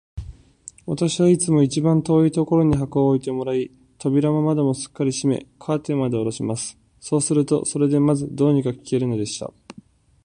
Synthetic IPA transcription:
βat̪aɕiβait͡sɨmo̞it͡ɕibãnt̪o̞ːit̪o̞ko̞ɾo̞ɲ̟iɦakoːit̪e̞mo̞ɾai | t̪o̞bʲiɾamamad̪e̞mo̞sɨ̥kːaɾʲiɕime̞̰kʰaːt̪e̞mad̪e̞oɾo̞ɕimasɨ̥ | so̞ːsɨɾɯ̟t̪o̞̰so̞ɾe̞d̪e̞mazɨd̪o̞ːɲ̟ikakʲi̥ke̞ɾɯ̟no̞d̪e̞ɕi̥t̪a̰

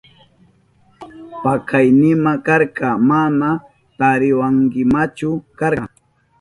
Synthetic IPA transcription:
pakʰajnɪmakaɾkamana | t̪aɾɪwaŋkɪmat͡ʃʊkaɾa

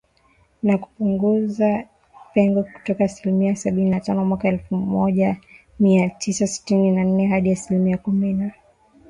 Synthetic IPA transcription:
naku̥puŋɡuza | pɛŋɡɔku̥tɔkaːsilimiasaɓininatanɔmwakaɛlfumɔʄa | miatʰisasi̥tininan̩nɛɦaɗiasilimiakumina

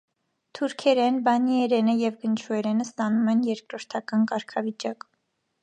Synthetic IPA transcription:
t̪ʰuɾkʰɛɾɛnbɑniɛɾɛnəjɛvɡənt͡ʃʰuɛɾɛnəst̪ɑnumɛnjɛɾkɾɔɾt̪ʰɑkɑnkɑɾkʰɑvit͡ʃɑk

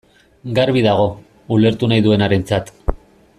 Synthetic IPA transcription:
ɡaɾβiðaɣ̞o̞ | ule̞ɾt̪unajðue̞naɾe̞nt͡sat̪

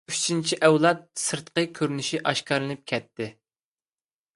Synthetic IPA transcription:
yt͡ʃʰint͡ʃʰiʔɛwlˠɑt̪̚sɨɾt̪qəkʲʰøɾnyʃiʔɑʃkɑɾlˠɨnɨp̚kʲʰɛt̪ʰːɪ

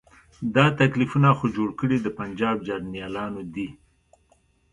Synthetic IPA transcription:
d̪ɑt̪aklifunaxod͡ʒoɽkəɽid̪əpand͡ʒɑb̚d͡ʒɑɾnijɑlɑnod̪i

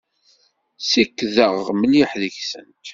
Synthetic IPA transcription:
sikːðəʁməliħðəçsə̰nt̪

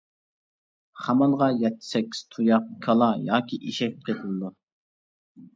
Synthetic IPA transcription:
χɑmɑlˠʁɑjɛt̪ʰːɪ̥sɛkʲʰːi̥z̥t̪ʰujɑq̚kʰɑlˠɑjɑːkʲʰiʔiʃɛk̚ʲqʰet̪ʰɨlˠd̪u

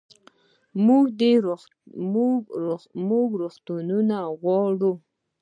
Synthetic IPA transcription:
muɡd̪eɾ | ɡmuɡɾoxt̪ununaɣwɑɽu

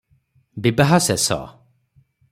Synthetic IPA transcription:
bibaɦasɛsɔ̰

